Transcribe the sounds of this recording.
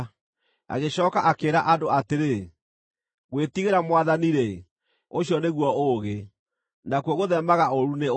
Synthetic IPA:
a̰ɣeɕɔːkaʔakeːɾaʔadoateɾe | ɣwetiɣeɾamwaðaniɾɛ | oɕijɔneɣwɔoɣe | nakwɔɣoðɛmaɣaoɾune

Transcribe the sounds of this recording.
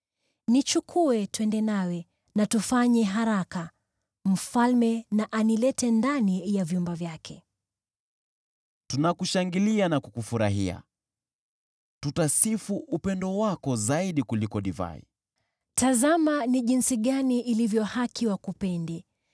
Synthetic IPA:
nit͡ʃukʰuɛtwɛndɛnawɛ | natufaɲɛɦaɾaka | m̩falmɛnaʔanilɛtɛndanijavjumbavjakʰɛ | tunakuʃaŋɡilianakukufuɾa̰ɦḭa̰ | tutasifuʔupɛndɔwakɔzaiɗikulikɔɗiva̰ḭ | tazamaniʄinsiɠaniʔːlivjɔhakʰiwakupɛndi

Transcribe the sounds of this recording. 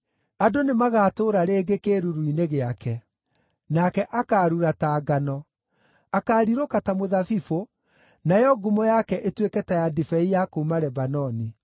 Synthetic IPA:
adonemaɣaːtoːɾaɾeːɡekeːɾuɾuineɣeakɛ | nakɛʔakaːɾuɾataːɡanɔ | akaːɾiɾokatamoðafifo | najɔɡumɔjakɛʔetwekɛtɛjadifɛijakomaɾɛbanɔni

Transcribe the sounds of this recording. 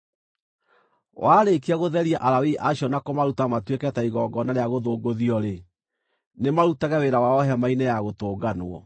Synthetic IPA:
waːɾekiaɣoðɛɾiaʔaɾawiʔaɕjɔnakɔmaɾutamatwekɛtaiɣɔɡɔnaɾeaɣoðoːɡoðiɔɾe | nemaɾutaɣɛweɾawaɔɦɛmainɛjaɣotoːɡanwɔ̰

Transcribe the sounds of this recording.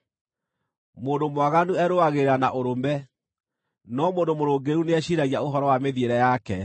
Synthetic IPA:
moːndomwaɣanuɛɾoaɣeɾanaʔoɾomɛ | nɔmoːndomoɾoːɡeɾuneɛɕiɾaɣjaoɦɔɾɔwameðieɾɛjakɛ

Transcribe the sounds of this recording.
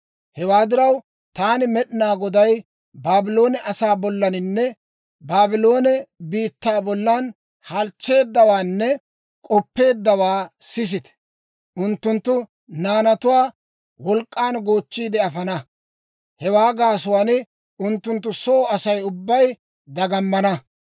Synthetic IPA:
hɛwaːd̪ɪɾɐw | t̪aːnɪmɛɗɪnaːɡɔd̪ɐj | baːbɪlo̞ːnɛʔɐsaːbɔlːɐnɪnːɛ | baːbɪlo̞ːnɛbiːt̪ːaːbɔlːɐn | hɐlt͡ʃːe̞ːd̪ːɐwaːnːɛ | kʼɔpːe̞ːd̪ːɐwaːsɪs̬ɪt̪ɛ̥ | ʔʊnt̪ːʊnt̪ːʊ | naːnɐt̪ʊwaː | wɔlkʼːaːnɡoːt͡ʃːiːd̪ɛɐfɐnɐ | hɛwaːɡaːsʊwaːnɪ | ʊnt̪ːʊnt̪ːʊsɔːɐsɐjʊbːɐj | d̪ɐɡɐmːɐnɐ

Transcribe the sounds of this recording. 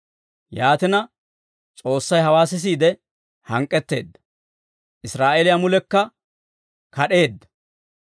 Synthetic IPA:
jaːt̪ɪnɐ | t͡sʼo̞ːsːɐjɦɐwaːsɪs̬iːd̪ɛ | hɐŋkʼːɛt̪ːe̞̰ːd̪ːɐ̥ | ʔɪsɾaːʔɛlɪjamʊlɛkːɐ | kɐɗe̞ːd̪ːɐ̥

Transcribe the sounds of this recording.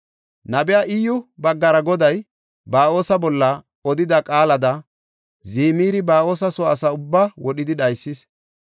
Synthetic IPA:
nɐbɛjaːʔɪjːʊbɐɡːɐɾɐɡɔd̪ɐj | baːo̞ːsɐbɔlːɐ | ɔd̪ɪd̪ɐkʼaːlɐd̪ɐ | ziːmiːɾɪbaːo̞ːsɐsɔɐsɐʊbːawɔɗɪd̪ɪɗɐjsːɪs

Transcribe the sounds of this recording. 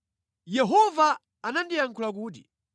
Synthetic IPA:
jɛɦɔvaː | nandijaŋkʰulak̬uːt̬ḭ

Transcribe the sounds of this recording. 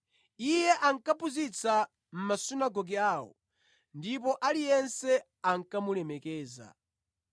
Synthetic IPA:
ijɛʔaŋ̩kapuzit͡sʰa | m̩masunaɡɔɡiaːwɔ̰ | ndip̬ɔʔalijɛnsɛ | aŋ̩kamulɛmɛkɛːza̰

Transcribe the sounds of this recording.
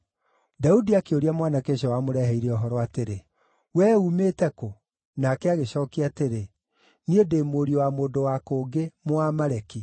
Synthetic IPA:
daudiakeoɾiamwanakeʃ̬ɔwamoɾɛɦɛiɾɛɔɦɔɾɔateɾe | wɛumeːtɛko | nakɛaɣeɕɔːkeateɾe | niedeːmoːɾiowamoːdowakoːɡemoamaɾɛki

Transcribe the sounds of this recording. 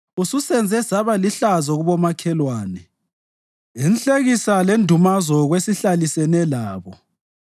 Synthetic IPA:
ususɛnd͡zʱɛsaβaliɬazɔɣuβɔmakʰɛlwaːnɛ | inɬʼeɣisalendʱumazɔɣwesiɬalisɛnɛlaːβɔ

